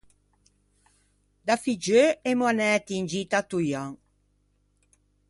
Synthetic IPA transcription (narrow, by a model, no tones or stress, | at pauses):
d̪afid͡ʒøɛmwanɛt̪iːnd͡ʒit̪at̪ujaŋ